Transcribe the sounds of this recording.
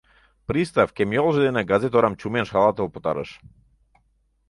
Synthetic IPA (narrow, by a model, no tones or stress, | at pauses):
pɾʲist̪afkʲemjolˠʒəd̪eneɡazet̪oɾamt͡ɕumʲenʃxalˠat̪əlˠput̪a̰ɾə̰ʃ